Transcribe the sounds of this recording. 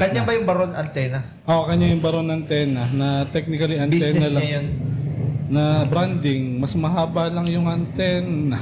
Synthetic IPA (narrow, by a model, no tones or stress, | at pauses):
kɐɲabɐjʊŋbɐɾonɐnt̪ɛnɐ | ʔokɐɲajʊŋbɐɾonɐnt̪ɛnɐnɐt̪ɛk̚nɪkɐliʔɐniɛːnɐlɐɲɐŋjon | nɐbɾand̪ɪŋmɐsmɐɦaːbɐlɐŋjʊŋɐnt̪ɛnɐ